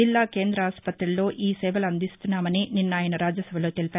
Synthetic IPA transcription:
ilːaːke̞ːnd̪ɾɐaːspɐt̪ɾilːo̞ːʔiːsɛːbɐlɐnd̪ist̪unːaːmɐnininːɐaːjɐnɐɾaːd͡ʒjɐsɐbʱɐlo̞ːt̪elipaːɾu

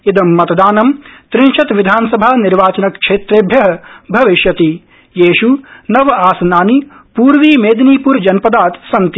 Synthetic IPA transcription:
id̪ɐmːɐt̪ɐd̪aːnɐmt̪ɾinʃɐt̪ʋid̪ʱaːnɐsɐbʱaːniɾʋaːt͡ʃɐnɐkʂeːt̪ɾeːbʱjɐɦɐ̆bʱɐʋiʃjɐt̪i | jeːʃunɐʋɐaːsɐnaːni | puːɾʋiːmeːd̪niːpuːɾd͡ʒɐnpɐd̪aːt̪sɐnt̪i

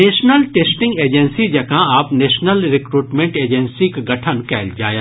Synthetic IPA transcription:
neːʃnəlʈeːsʈɪ̃ŋɡeːd͡ʒɛ̃nsid͡ʒɐkãaːpneːʃnəlɾɪkɾuːʈmẽːɳʈeːd͡ʒə̃nsikɡɐʈʰənkɛːld͡ʒaːjã

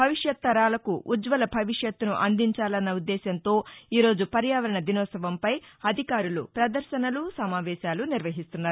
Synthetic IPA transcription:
bʱɐʋiʂjɐt̪ːɐɾaːlɐkuʔud͡ʒʋɐlɐbʱɐʋiʂjɐt̪ːunuʔɐnd̪iɲt͡ʃaːlɐnːɐud̪ːɛːʃɐnt̪o̞ːiːɾo̞ːd͡ʒupɐɾjaːʋɐɾɐɳɐd̪inɔːsɐʋɐmpɐjɐd̪ʱikaːɾulupɾɐd̪ɐɾʃɐnɐlusɐmaːʋɛːʃaːluniɾʋɐɦist̪unːaːɾu

